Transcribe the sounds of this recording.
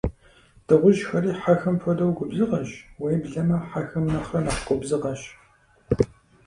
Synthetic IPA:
d̥ɐʁʷʊʒxɐriːħaxɐmfʷɐdɐwɡʷʊbzɨʁɐɕwejbɮɐmɐħaxɐmnɐχɐnɐχqʷʼʊbzɨʁɐɕ

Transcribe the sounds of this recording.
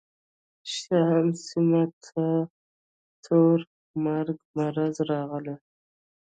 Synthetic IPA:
ʃaɦamsimat̪ʰa | t̪ʰoɾ | maɾɡmaɾazɾɑʁəle

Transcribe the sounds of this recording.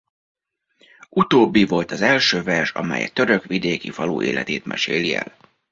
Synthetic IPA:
ʔut̪oːbːivo̞lt̪ɒzɛlʃøːvɛrʃɒ̰mɛ̰jɛ̰t̪ø̞ɾøkʋid̪eːkifɒlṵːʔeːlʔɛt̪eːt̪mʔɛ̰ʃeːliɛ̰l

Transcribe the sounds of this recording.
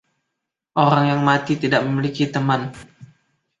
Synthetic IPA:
ʔoɾaŋjaŋmat̪it̪idaʔ̚məmilikit̪əman

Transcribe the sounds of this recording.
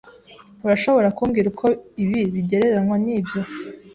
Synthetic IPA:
uɾaʃo̞βo̞ɾakuːmɡiːɾukʰo̞iβiβiɟe̞ɾe̞ɾanŋwaniːbjo̞

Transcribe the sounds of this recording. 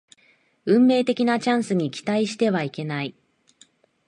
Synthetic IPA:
ɯ̟̃mːe̞ːt̪e̞kʲinat͡ɕãɰ̃sɨɲ̟ikʲi̥t̪aiɕi̥t̪e̞βaike̞nai

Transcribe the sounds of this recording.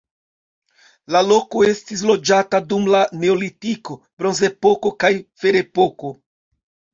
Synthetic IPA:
lalo̞ko̞e̞stis̬lo̞d͡ʒatadumlane̞olitiko | b̥ɾo̞nze̞po̞ko̞kajfe̞ɾe̞poko

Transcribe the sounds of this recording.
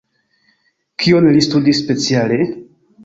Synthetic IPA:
kʰionlistudisːpe̞t͡siale

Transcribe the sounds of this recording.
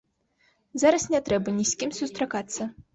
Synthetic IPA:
zaɾɐsnʲɛt̪ɾɛbɐnʲisʲkʲimsust̪ɾakat̪sːɐ

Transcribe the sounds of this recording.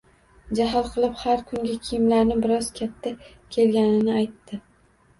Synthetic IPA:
d͡ʒaɦɒlˠqʰɨlˠɪphaɾkʰʊŋɡʲakʲʰijmlaɾnɪbɪɾɒz̥kʲʰat̪ʰːa | kʲʰe̞lɡʲanɪnɪajt̪ːɪ

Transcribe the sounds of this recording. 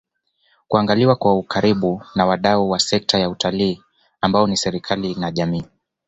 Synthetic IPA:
kuaŋɡaliwakwaukʰaɾiɓunawaɗauwasɛk̚tʰajautʰaliː | ambaɔnisɛɾikʰalinaʄamiː

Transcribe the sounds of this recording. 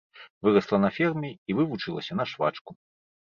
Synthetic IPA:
vɨɾɐslˠɐnɐfʲɛrmʲiivɨvut͡ʂɨlˠɐ̰sʲɐnɐʂva̰t͡ʂku

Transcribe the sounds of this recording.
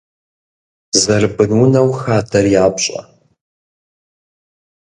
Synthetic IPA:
zɐrbɨnwʊnɐwxaːdʰɐrjaːbɕʼɐ̰

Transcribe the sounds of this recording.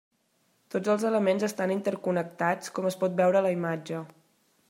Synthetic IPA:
t̪od͡zəlˠzələmenzəst̪anint̪əɾkunək̚t̪at͡skɔməspɔt̪̚bɛwɾələimad͡ʒə

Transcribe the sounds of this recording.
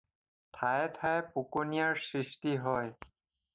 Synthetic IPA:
tʰajtʰajpukonijaɹsɹistiɦɔj

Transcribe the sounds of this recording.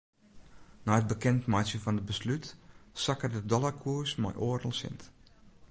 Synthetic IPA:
naət̚bəkɛntmajsjəfɔnət̚bəslytsakərdədɔlˠakʰuəsmɔ̰jʔoːərdəl̩ˠsɪ̰nt

